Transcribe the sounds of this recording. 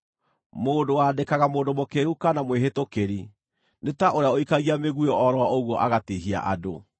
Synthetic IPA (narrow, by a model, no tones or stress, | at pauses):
moːdowadekaɣamoːdomokeɾukanamweɦetokeɾi | netaʔoɾeaoikaɣiameɣuɔʔɔɾɔaoɣwɔʔaɣatiɦia̰ʔado